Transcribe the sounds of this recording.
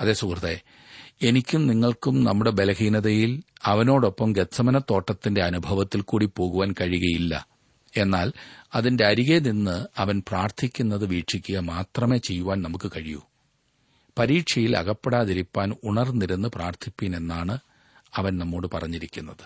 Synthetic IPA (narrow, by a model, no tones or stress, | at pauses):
ɐðe̞ːsukrɐðe | e̞nikʲːumniŋːɐɭkumnɐmːuɽe̞be̞lɐɦiːnɐðɐjilɐʋɐno̞ːɽo̞pːɐmɡet̪sɐmɐnɐt̪ːo̞ːʈːɐt̪ːinde̞ɐnubʱɐʋɐt̪ːilkuːɽipo̞ːɣuʋaːnkɐɻiɣɐjilːɐ̰ | e̞nːaːlɐðinde̞ɐɾiɣeninːɨɐʋɐnpraːrt̪ʰikʲːunːɐðɨʋiːʈʂikʲːuɣɐmaːt̪rɐme̞ːt͡ɕe̞jːuʋaːnnɐmukːɨkɐɻiju | pɐɾiːʈʂɐjilɐ̰ɣɐpːeɽaːðiɾipːaːnuɳɐrniɾunːɨpraːrt̪ʰikʲːine̞nːaːɳɨ | ɐʋɐnnɐmːo̞ːɽɨpɐ̰rɐɲːiɾikʲːunːɐðɨ̥